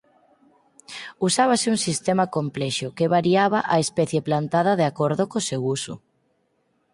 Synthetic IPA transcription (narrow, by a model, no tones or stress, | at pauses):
usaβ̞asɪuŋsist̪ɛmakomplɛʃʊkeβaɾiaβaʔaespɛθjeplant̪aðɐðeakɔɾðokosewusʊ̰